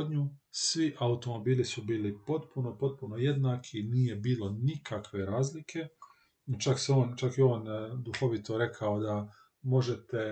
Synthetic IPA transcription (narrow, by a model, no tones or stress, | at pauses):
d̪ɲusʋiʔaut̪o̞mo̞biːlisubiːlipo̞t̪puno̞po̞t̪̚puno̞je̞d̪naːkʰiniːje̞biːlo̞nikʰakʋe̞ɾaːzlikʰe̞ | t͡ʃakseo̞ːnt͡ʃakjeo̞ːnd̪uxo̞ʋit̪o̞ɾe̞kʰaod̪a | mo̞ʒet̪e̞